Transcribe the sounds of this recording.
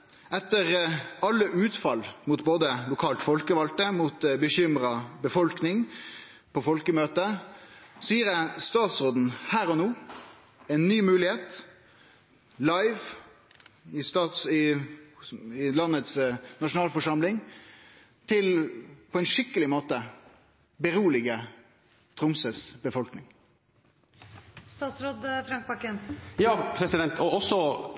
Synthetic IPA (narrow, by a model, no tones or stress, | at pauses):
ɛt̪ːəʁɑlːəʔʉːt̪fɑlmʊt̪boːd̪əlʊkʰɑːlt̪fɔlkəʋɑlt̪əmʊt̪bəçʏmɾɑbəfɔlknɪŋ | pʰɔfɔlkəmøːt̪ə | siːɾəst̪ɑːt̪sʁoːd̪n̩hæːʁɔnoː | ɛɪnːyːmʉːlɪheːt̪ | lɑɪʋ | ɪst̪ɑːt̪sɪ | ɪlɑnːət̪snɑʂʊnɑːlfɔʂɑmlɪŋ | t̪ʰɪlpʰɔɛnʂɪkːəlɪmoːt̪ə | bəɾuːlɪɡə | t̪ʰɾʊmsəsbəfɔlknɪŋ | st̪ɑːt̪sɾoːd̪fɾɑŋk̚bɑkənjɑːpʰɾɛsɪd̪ɛnt̪ɔɔsːɔ